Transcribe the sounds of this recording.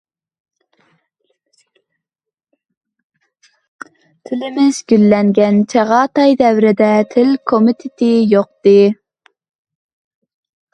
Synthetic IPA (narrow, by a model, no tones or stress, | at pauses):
t̪ʰɪlɪmɪz̥ɡʲylːɛŋɡʲɛnt͡ʃʰɛʁɑːt̪ɑjd̪ɛwɾɪd̪ɛt̪ʰɪlkʰomɪt̪ʰɪt̪ʰɪjoq̚t̪ɨ